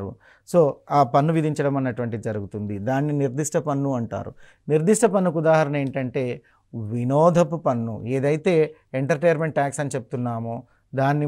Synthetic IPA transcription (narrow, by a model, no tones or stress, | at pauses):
ɾṵ | so̞ːaːpɐnːuʋid̪ʱiɲt͡ʃɐɽɐmɐnːɐʈuʋɐɳʈiid͡ʒɐɾuɡut̪und̪id̪aːnːiniɾd̪iʂʈɐpɐnːuɐɳʈa̰ːɾṵ | niɾd̪iʂʈɐpɐnːukud̪aːɦɐɾɐne̞ːɳʈɐɳʈe̞ː | ʋinɔːd̪ʱɐpupɐnːṵe̞ːd̪ɐjt̪e̞ː | eɳʈɐɾʈejɐɾme̞ɳʈʈaːksɐnit͡ʃe̞p̚ut̪unːaːmoː | d̪aːnːi